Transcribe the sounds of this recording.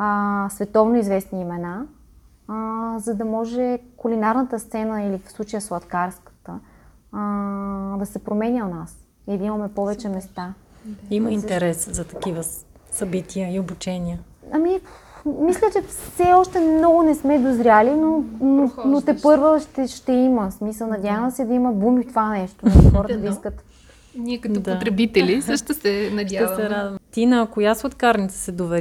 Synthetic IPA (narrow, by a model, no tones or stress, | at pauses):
əsvɛt̪ɔvnoizvɛsniːmɛna | zɐd̪ɐmɔʒɛkulinaɾnət̪əst̪sɛnəilifslˠut͡ʃəjəslˠɐt̪kaɾskə̥t̪ə | d̪ɐsɛpɾomɛnʲjəonas | id̪ɐimɐmɛpɔvɛt͡ʃɛmɛst̪a | iməint̪ɛɾɛszɐt̪ɐ̥kivə | sɐbit̪ʰijəiobut͡ʃɛniə | ɐmimislʲət͡ʃɛsɛɔʃt̪ɛmnɔɡʊnɛsmɛd̪ozɾʲjalinononot̪ɛpɤɾvəʃt̪ɛʃt̪ɛiməsmisəlˠnɐd̪javəmɛsɛd̪ɐiməbumit̪ovanɛʃt̪onxɔɾət̪əd̪ɐiskət̪ | nʲiɛkɐt̪od̪t̪ɾɛbit̪ɛlisəʃt̪osɛnɐd̪ʲasɛɾad̪vɐmt̪inəːkojasot̪kaɾnʲit̪sə̥sɛd̪ovɛ